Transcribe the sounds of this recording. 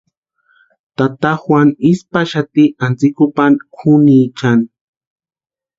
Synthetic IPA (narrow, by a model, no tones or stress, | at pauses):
t̪at̪axwanispaʃat̪iant͡sikʊpankʰʊnit͡ʃan